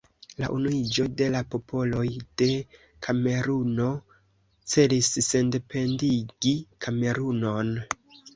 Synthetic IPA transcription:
la̰ʔunuid͡ʒo̞de̞lapo̞pʰo̞lo̞jd̥e̞ | kʰame̞ɾuno̞ | t͡se̞lisːe̞nde̞pe̞ndiɡ̥ikʰame̞ɾuno̞n

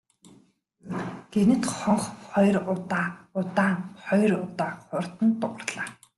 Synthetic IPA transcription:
ɡ̥enɘ̆t̪χɔɴχχɔjrʊt̪aːʊt̪aːŋχɔjrʊt̪aːχʊrt̪ə̆nt̪ʊʁə̆rɮaː

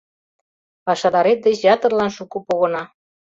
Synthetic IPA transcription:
pɑʃɑd̪ɑɾet̪̚d̪et͡ɕjɑt̪ɤ̆rlɑnʃukupoɣɤ̆nɑ

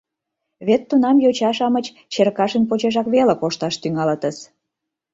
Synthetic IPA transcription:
βet̪ːunɑmjot͡ɕɑʃɑmət͡ɕ | t͡ɕerkɑʃənpot͡ɕeʒɑkβelekoʃt̪ɑʃt̪yŋɑlət̪əs

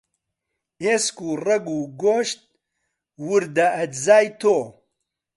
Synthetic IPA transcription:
eːskurɐɡuɡoːʃt̪̚ | wuɾd̪ɐʔɐt̪zaːjt̪ʰoː

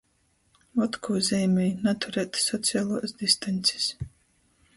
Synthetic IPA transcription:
vɔt̪kʰuːzʲɛjmʲɛjnat̪ʰuɾɛːt̪sɔt̪sʲijaːlˠuːsd̪ist̪anʲt̪sʲi̥s

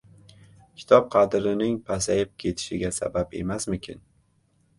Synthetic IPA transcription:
kʲʰɪ̥t̪ʰɒp̚qʰɑd̪ɾɪnɪŋpʰasajɪp̚kʲʰe̞t̪ʰɪ̥ʃɪɡʲasa̰bape̞masmʊkʲʰɪ̰n

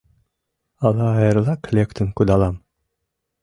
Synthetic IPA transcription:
ɑlˠɑːjɤ̆ɾlˠɑklʲekt̪ʰəŋkud̪ɑlˠɑm

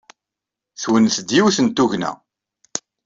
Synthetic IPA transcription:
θwənθd̪jiwθənt̪uʝnæ̰

